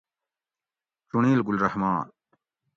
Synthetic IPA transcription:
t͡ɕuniːlɡulɾɐhmaːn

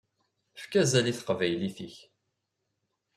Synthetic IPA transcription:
fkæzæliθə̥qvæjliθiç

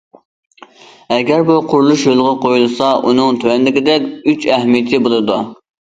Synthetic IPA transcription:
ɛɡʲɛɾbuqʰʊɾlˠuʃjolˠʁɑqʰojulˠɨsɑʔunɨŋt̪ʰywɛnlɪkʲɪd̪ɛkʲyt͡ʃɛhmijɪt̪ʰɪbolˠɨd̪u

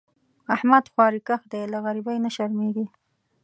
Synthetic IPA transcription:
ahmad̪xwɑɾikaxd̪ejlaɣaɾibajnaʃaɾmeɡi

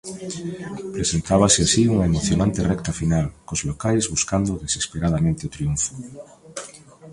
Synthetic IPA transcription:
pɾesent̪aβ̞aseasiuŋɐemoθjonant̪erɛkt̪afinalkozlokajzβuskand̪ʊðesespeɾað̞amẽnt̪ɪot̪ɾiuɱfo̥

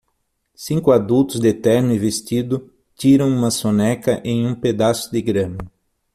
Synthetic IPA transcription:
sĩŋkʊad̪ut̪ʊzd̪et̪ɛɾnʊɪvest̪id̪ʊ | t̪iɾɐ̃w̃ũmɐsonɛkɐʔẽj̃ũped̪asʊd̪ɪɡɾɐ̃mɐ

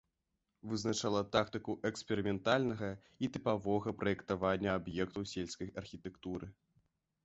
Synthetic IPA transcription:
vɨznat͡ʂalˠɐt̪ak̚t̪ɨkuʔɛkspʲɛɾɨmʲɛnt̪alʲnɐɣɐ | it̪ɨpavɔɣɐpɾɐjɛkt̪avanʲːɐabjɛkt̪ɐwsʲelʲskɐjɐrxʲit̪ɛkt̪uɾɨ

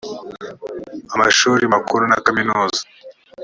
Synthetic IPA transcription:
ama̰ʃuːɾimakuɾuna̰kaminuːzḁ

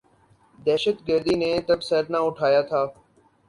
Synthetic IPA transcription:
d̪ɛːʃət̪ɡəɾd̪iːneːt̪əbsət̪nãːʊʈʰaːjaːt̪ʰaː

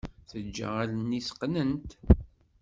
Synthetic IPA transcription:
θəd͡ʒːə̰ʁalənːisə̥qːnənt̪

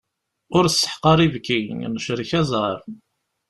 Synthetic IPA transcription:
ʊɾəsːə̥ħqɑɾˤivkinəʃɾiçæzˤʁəf

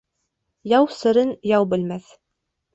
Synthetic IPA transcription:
jɑwsɤ̆ɾɤnjɑwbɘ̆lmæθ

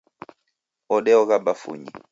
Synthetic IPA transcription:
ɔɗɛɔɣabafṵɲḭ

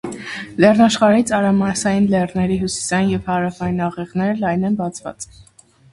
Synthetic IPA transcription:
lɛrnɑʃχɑɾit͡sʰɑɾɑmɑsɑjinlɛrnɛɾiɦusi̥sɑjinjɛvhɑɾɑfɑjinɑʁɛʁnɛɾlɑjnɛnbɑt͡sʰvɑ̰t͡s

